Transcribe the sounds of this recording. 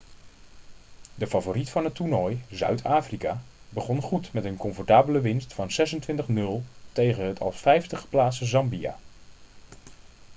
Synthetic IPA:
dəfavoːritfɑnɦətunɔjzœ̰ɥtʰaːfrikaːbəχɔnχutmɛtənkɔmfɔɹtaːbələʋɪnstfɑnzɛsəntʋɪntəχnɵlˠtejχənɦətʰɑ̰lˠsfɛjftəχə̥plaːtsəzɑmbia̰ː

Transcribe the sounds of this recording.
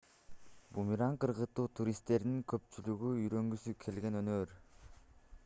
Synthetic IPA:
bumiɾɑɴqʰɯɾʁɯt̪ːuːt̪ʰuɾist̪ːe̞ɾd̪iŋkʰø̞p̚t͡ʃylyɡyyjɾø̞ŋɡysykʰe̞lɡe̞nø̞nøːɾ

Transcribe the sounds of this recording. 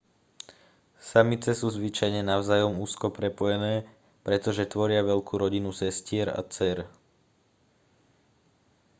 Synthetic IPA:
samit͡sɛsuːzʋit͡ʃajɲɛnaʊzaːjɔmuːskɔpɾɛpɔjɛnɛː | pɾɛt̪ɔʒɛt̪ʋɔɾɪaʋɛʎkʰuːɾɔɟinusɛscɪɛɾa̰t͡sɛɾ

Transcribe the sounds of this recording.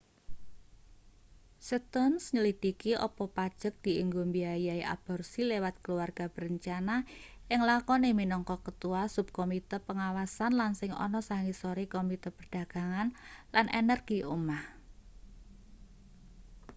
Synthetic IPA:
sət̪ɔnsɲəlid̪̥ikiʔɔ̰pɔpad̥ʒ̥ə̤k̚d̪̥i̤iŋɡombiajaiʔa̰b̥ɔ̤rsilewat̪̚kəluarɡ̥ab̥əɾəɲt͡ʃanaʔɪŋlakɔneminɔŋkɔkət̪uwasub̚komit̪əpəŋawasanlansɪŋɔ̰nɔsaŋisoɾikomit̪əpərd̥a̤ɡ̥a̤ŋanlanḛnərɡ̥iʔumah

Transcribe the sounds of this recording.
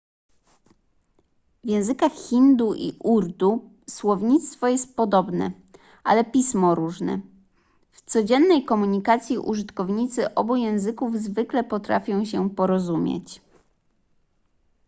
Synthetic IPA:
vʲjɛ̃w̃zɘkaxxind̪uʔḭʔuɾd̪u | swɔvɲit̪st̪fɔjɛst̪̚pɔd̪ɔbnɛ̰ | ʔa̰lɛpʲismɔɾuʐnɛ̰ | ft̪sɔd͡ʑɛnːɛjkɔmuɲikat̪sʲjiʔṵʐɘt̪kɔvɲit̪sɘʔɔbujɛ̃w̃zɘkuvzvɘklɛpɔt̪ɾafʲjɔ̃w̃ɕɛpɔɾɔzumʲjḛt͡ɕ

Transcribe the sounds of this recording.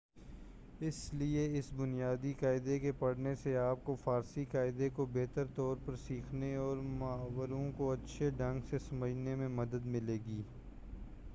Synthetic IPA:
ɪslieɪsbʊnijaːd̪ikaːɪd̪ekepɐɽ̤neseaːp̚kofaːɾsikaːɪd̪ekobeːt̪əɾt̪ɔːɾpɐɾsiːkʰneɔːɾmɐːʋəɾõkoɐtːʃʰeɖɐ̃ŋɡsesɐməd͡ʒnemẽmɐd̪əd̪mɪleːɡiː

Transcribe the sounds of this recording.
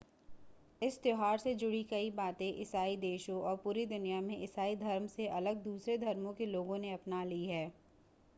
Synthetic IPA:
ɪst̪joɦaːɾsed͡ʒʊɽikɐibaːt̪ẽʔɪsaːid̪eːʃõʔɔːɾpuːɾid̪ʊnijamẽʔɪsaːid̪ʱɐɾmseʔɐləɡ̚d̪uːsɾed̪ʱɐɾmõkeloːɡõneɐpnaliɦɛː

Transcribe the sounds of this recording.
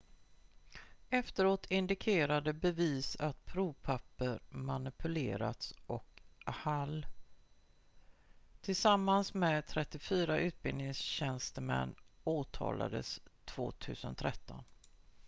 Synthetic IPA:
ɛft̪əɾoːt̪ʰɪnd̪ɪkʰeːɾad̪əbɛviːsat̪pʰɾuːvpʰapːəɾmanɪpʰɵlḛːɾa̰t̪sʔɔkhal | t̪ʰɪlsamːansmɛt̪ʰɾɛt̪ːɪfyːɾaʔʉ̟ːt̪̚bɪlnɪŋsɕɛnst̪əmɛ̰nːoːt̪ʰɑ̰ːla̰d̪ə̰st̪ʰv̥o̰ːt̪ʰʉ̟̰ːsənt̪ʰɾɛt̪ːɔn

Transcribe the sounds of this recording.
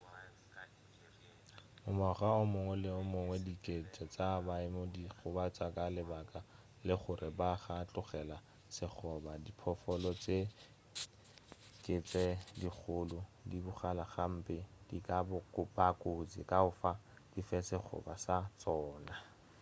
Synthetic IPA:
ʊmɔχaʊmʊŋwɛlɪʊmʊŋwɛdikʼet͡sʼɛt͡sʼabaɪmodiχʊbat͡sʼakʼalɪbakʼa | lɪχʊrʔɪbaχat͡ɬʼʊχɛla | sɪχʰɔbadipʰɔfɔlɔt͡sʼe | kʼet͡sʼɛdik͡xʰʊlʊdibʊχalaχam̩pʼɪdikʼabʊkʼʊpʼakʼod͡zḭkʼaʊfa | d̥ifɛsɪk͡xʰʊ̰basat͡sʼɔːna

